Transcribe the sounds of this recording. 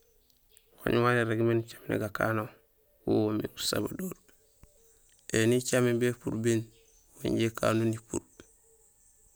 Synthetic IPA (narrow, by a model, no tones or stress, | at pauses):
ho̰ɲwaɾeɾeɡment͡ʃḁmnḛɡaka̰ːno | wo̰womḭɡusa̰ba̰doːɾ | enit͡ʃamibepṵɾbin | wa̰ɲɟekʰa̰ːnonipṵɾ